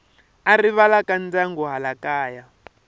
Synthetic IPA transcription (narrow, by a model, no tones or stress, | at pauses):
ariβalakand͡zaŋɡuɦalakaːja